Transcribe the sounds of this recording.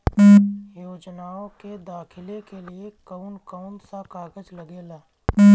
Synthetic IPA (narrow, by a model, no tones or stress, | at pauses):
joːd͡ʒnaːõked̪aːkʰɪlekeliekəʊnkəʊnsakaːɡəd͡ʒləɡeːlaː